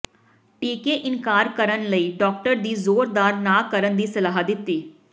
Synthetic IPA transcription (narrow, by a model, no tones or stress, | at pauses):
ʈiːkeʔɪŋkaːɾkəɾənləiːɖɔːk̚ʈəɾd̪iːzoːɾd̪aːɾnaːkəɾənd̪iːsɐlaːɦəd̪ɪt̪ːiː